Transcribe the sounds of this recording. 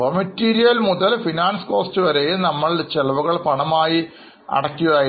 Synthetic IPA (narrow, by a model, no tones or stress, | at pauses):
omɐtːiːɾijɐlmuðɐlfinaːnsɨ̥ko̞ːstɨʋɐɾejunɐmːɐɭt͡ɕelʋɐɣɐɭpɐɳɐmaːji | ɐ̰ɽɐkʲːuʋaː